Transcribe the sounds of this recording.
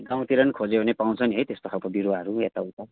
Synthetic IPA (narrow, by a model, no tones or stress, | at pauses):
ɡãw̃t̪iɾʌnkʰod͡zebʱʌnepaw̃t͡sʰʌniɦʌjt̪est̪okʰalkobiɾuaɦʌɾuet̪aut̪a